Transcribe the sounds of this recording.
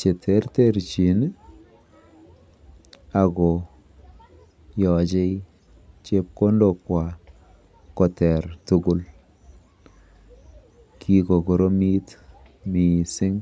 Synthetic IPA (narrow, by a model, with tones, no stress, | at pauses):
t͡ʃe˨tʰɛ˨˦ɾtɛ˦ɾt͡ʃi˨n˦ | a˨ɡɔ˨ | jɔ˨d͡ʒe˦i | t͡ʃe˦p̚ko˦ndo˨kwa˨ | kɔ˨tɛ˨ɾtʊ˦ɡʊ˦l | kʰi˦kɔ˨ɡɔ˨ɾo˦mi˦t | mi˨sɪ˦ŋ